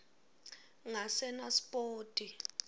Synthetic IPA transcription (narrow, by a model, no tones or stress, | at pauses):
ŋasɛnaspʼoːtʼi